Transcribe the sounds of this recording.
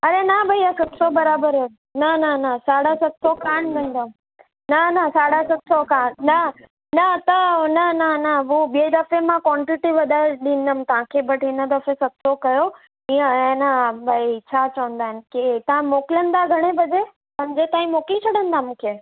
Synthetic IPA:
ɐɾenɐbʱɐiasɐt̪sobɐɾaːbəɾ | nɐnanəsaːɽasɐt̪sokaːɳʋə̃nd̪əm | nɐnasaːɽasɐt̪sokaːɳnɐ | nɐt̪ɐnɐnənəɦubid̪əfemãkwɔːɳʈiʈiʋɐd̪ʱaːeɗĩn̆d̪əmt̪ɐãkʰebəʈʰɪnəd̪ɐfẽsɐt̪sokɐjo | iə̃ẽnabʱait͡ɕʰat͡ɕɐʋə̃nd̪aːɦɪn̆kɪt̪ɐãmoːkɪlə̃nd̪aɡʱɐɽ̃ebɐd͡ʑe | pɐ̃ɲd͡ʑet̪ãːĩmoːkĩt͡ɕʰɐɽə̃nd̪amũːkʰe

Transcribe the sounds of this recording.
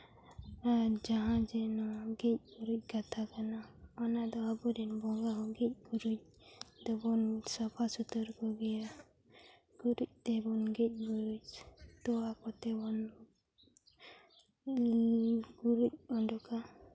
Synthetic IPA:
aɾd͡ʒaɦãd͡ʒɛnɔɡic̚ɡuɾuc̚ˀkat̪ʰakanaɔnad̪ɔabud̪inbɔŋɡaɦɔɡic̚ˀɡuɾuc̚ | d̪̥ɔbɔnsɔpʰasut̪ɔɾkɔɡɛja | ɡ̥uɾuc̚ˀt̪ɛbɔnɡic̚ˀɡuɾuc̚t̪ɔakɔt̪ɛbɔn | ɡuɾuc̚ɔnɖɔka

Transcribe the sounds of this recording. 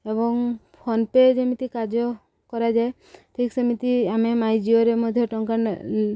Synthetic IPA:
ebɔŋ | pʰɔnped͡ʒemit̪ikad͡ʒɔ | kɔɾad͡ʒae | ʈʰiksemit̪iamemajd͡ʒioɾemɔd̪ʱjɔʈɔŋkan

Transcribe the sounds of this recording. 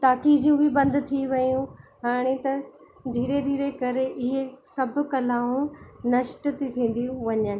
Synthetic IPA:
t̪aːkid͡ʑijũbɪbɐ̃nd̪t̪ʰiʋɐjũɦaːɽ̃et̪ɐ | d̪ʱiːɾed̪ʱiːɾekɐɾeʔɪɦesɐbʱʊ̆kɐlaːũnɐʃʈt̪it̪ʰĩːn̆d̪ijũʋɐɲən̆

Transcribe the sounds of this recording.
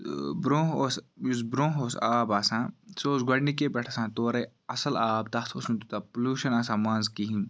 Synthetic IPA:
bɾoɦosjuzbɾõːɦoːsaːbaːsãːsoːzɡɐɳɖikebɐʈʰasãːt̪oːɾe | ɐsɐlaːb̚t̪ɐt̪ʰosnũt̪ut̪apuluːʃɐnaːsãːmãːnzkiɦĩn

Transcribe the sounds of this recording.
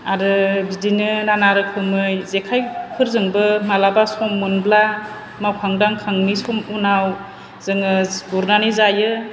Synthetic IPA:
aɾɯbidinɯnanaɾɯkʰɯmɯjzekʰajpʰɯɾzɯŋbɯmalabasɔmːunbla | mawkʰaŋdaŋkʰaŋnisɔmunaw | z̥ɯŋɯɡuɾnanizajɯ

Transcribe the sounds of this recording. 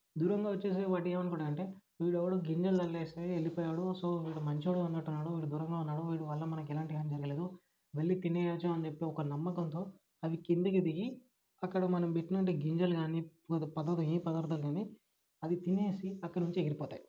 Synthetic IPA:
d̪uːɾɐŋɡaːʋɐt͡ʃːe̞ːs̬eːʋaːʈieːmɐnkɔːɽɐd̪ɐɳʈe̞ː | ʋiːɽɛʋːɐɽuːɡiɲd͡ʒɐlɐlːeːst̪eelːipɔːjaːɽusoːʋiːɽumɐɲt͡ʃioːɽɐnːɐʈːunːaːɽuʋiːɽud̪uːɾɐŋɡaːunːaːɽuʋiːɽuʋɐlːɐmɐnɐk̬ɛlaːɳʈiɡaːnid͡ʒɐɾɐɡɐleːd̪u | ʋɐɭːit̪ineːt͡ʃaːmɐnt͡ʃepːeːɔkɐnɐmːɐkɐnt̪o̞ː | ɐʋikiɳd̪ik̬id̪iɡi | ɐkːɐɽɐmɐnɐmbeʈːinɐɳʈ̬eːɡiɲd͡ʒɐlɡaːnipɐd̪ɐɾd̪ɐipɐd̪ɐɾd̪ɐlɡaːni | ɐd̪it̪ine̞ːsiɐkːɐɽɐnuɲt͡ʃeɡiɾipɔːt̪a̰ːji

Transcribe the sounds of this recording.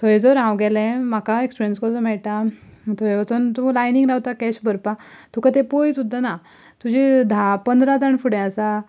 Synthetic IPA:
t̪ʰɔjd͡zɔɾɦãwɡɛlɛ̃makaekspiɾijənskɔt͡sɔmɛɭʈ̪at̪ʰɔjʋat͡sənt̪ulajniŋɡɾawt̪akɛɕbəɾpat̪ukat̪epojsud̪ʱːana | t̪ud͡ʑid̪ʱapənd̪ɾad͡zaɳfuɽɛ̃asa

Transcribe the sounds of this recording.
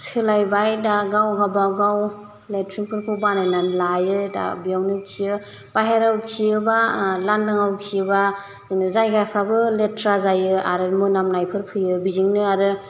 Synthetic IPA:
sɯlajbajdaɡawɡabaɡaw | letʰɾiŋpʰɯɾpʰɯbanajnanlajɯda̰bijawnɯkʰiɯ | paɦeɾawkʰiɯbalandɯŋawkʰiɯba | zɯŋnɯzajɡakʰɾabɯletɾazajɯa̰ɾɯmɯnamnajpʰɯɾpʰɯjɯbiziŋnɯaɾɯ

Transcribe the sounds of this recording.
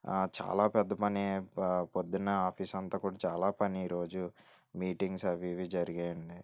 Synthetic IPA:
t͡ʃa̰ːlaːpɛd̪ːɐpɐnepod̪ːinːɐaːpʰiːsɐnt̪aːkuːɽaːt͡ʃaːlaːpɐniiːɾo̞ːd͡ʒu | miːʈiŋɡsɐʋiʋid͡ʒɐɾiɡeːɐɳɖi

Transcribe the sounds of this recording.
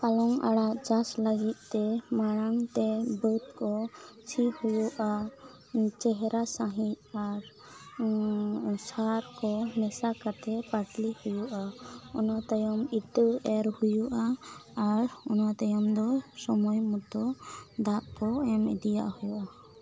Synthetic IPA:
palɔŋa̰ɽaʔt͡ʃaslaɡit̪̚ˀt̪ɛmaɽ̃aŋt̪ɛbət̪kɔt͡ʃʰihujuʔa | t͡ʃɛɦɛɾasaɦit̪̚ | aɾ | saɾkɔmɛsakat̪ɛpaʈlihujuʔaɔnat̪ajɔmiʈəɛɾhujuʔaː | ɾɔnat̪ajɔmd̪ɔsɔmɔjmut̪ɔd̪aʔkɔɛmɛd̪ija̰ʔhujuʔa

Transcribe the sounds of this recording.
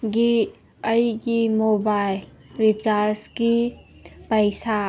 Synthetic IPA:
ɡi | əiɡimobaɪl | ɾit͡ʃaɾski | pəɪsa

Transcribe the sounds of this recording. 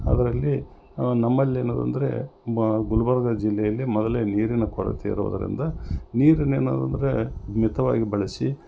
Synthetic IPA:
ɐ̰d̪ɐɾɐlːi | nɐmːɐlːie̞ːnoːd̪ɐ̰nd̪ɐɾe̞̰ɡulɐbɐɾɐɡɐd͡ʒilːɛjɐlːimɔd̪ɐleniːɾinɐkɔɾɐ̰t̪ʰiḭɾṵʋṵd̪ɐɾḭnd̪ɐniːɾineːno̰ːd̪ɐnd̪ɐɾemit̪ɐʋaːɡibɐɭɐsi

